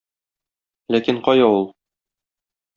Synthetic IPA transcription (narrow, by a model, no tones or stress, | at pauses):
lækiɴqɒjɑulˠ